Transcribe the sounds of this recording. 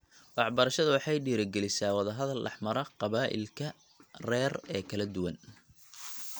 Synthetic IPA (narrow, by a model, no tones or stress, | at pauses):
wɑħbɐɾɐʃɐðʊwɑħɑjɖiːɾɐɡɛlɪsaːwɑðɐɦɐðɐlːɑ̰ħmɐɾɐqɑβaːʔɪ̰lkʰɐ | rɛːrɛːkʰɐlɐd̪ʊwɐn